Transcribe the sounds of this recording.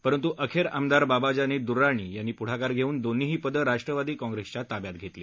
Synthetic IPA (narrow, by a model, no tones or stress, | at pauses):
pəɾənt̪uʔəkʰeɾamd̪aɾbabad͡ʑaniːd̪uɾːaɳ̃iːjanːiːpuɽ̤akaɾɡʱeuːnd̪onːiɦiːpəd̪əɾaʂʈɾəʋad̪iːkɔ̃ŋɡɾest͡ɕat̪abjat̪̚ɡʱet̪le